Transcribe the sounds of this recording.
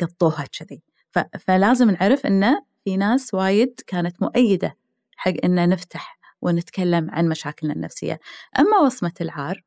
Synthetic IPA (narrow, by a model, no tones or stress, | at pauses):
jɑbt̪ˤːuːhat͡ʃːɪði | fafalaːzɪmnʕaɾɪfʔɪ̰nːa | finaːswaːjɪd̪kaːnat̪mʊʔajːɪd̪a | ħaɡːʔɪnːanɪft̪aħ | wɪnɪt̪kalːamʕa̰nmaʃaːkɪlna̰nːa̰fsɪ̰jːa̰ʔamːawɑsmalʕɑːɾˤ